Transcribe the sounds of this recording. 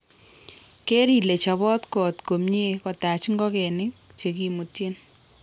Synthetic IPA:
ke˦ɾi˦˨le˨t͡ʃɔ˨bɔ˦tkɔ˨tko˨mɲe˦kɔ˨ta˨t͡ʃŋɡɔ˦kɛ˨nɪ˦k̚t͡ʃe˨ki˨mu˨tje˦n

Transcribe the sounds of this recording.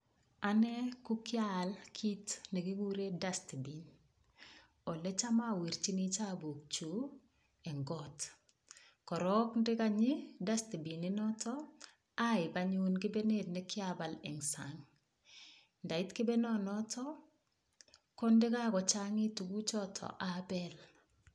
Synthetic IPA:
a˨nɛ˦ku˦kja˦lkʰi˦tnɛ˨ɡi˦ɡu˦ɾe˦da˦sti˨bi˨n | ɔ˨lɛ˦t͡ʃa˦ma˦˨wi˨ɾt͡ʃi˦ni˦t͡ʃa˦bo˨k̚t͡ʃu˦ | ɛ˨ŋɡɔt | kɔ˨ɾɔ˦kndɪ˦ka˨ɲɪ˦da˦sti˨bi˨nɪ˦nɔ˦tʰɔ˦ | a˦ɪ˨baɲu˦nɡɪ˦be˦ne˦˨t̚nɛ˦kɪ˦aba˨lɛ˨ŋsaŋ | nda˨ɪ˦tkɪ˦be˦nɔ˦nɔ˦tʰɔ | kɔ˦ndɪ˦ka˦kɔ˨t͡ʃaŋi˦tu˨ɡu˦t͡ʃɔ˦tʰɔ̰˨ʔabɛ˦l

